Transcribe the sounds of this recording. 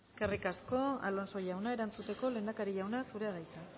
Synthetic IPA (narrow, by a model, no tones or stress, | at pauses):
eske̞rikasko̞a̰lo̞nso̞ʝawnae̞ɾant͡sut̪e̞ko̞le̞ːnd̪akaɾiʝawnasuɾe̞aðajt̪a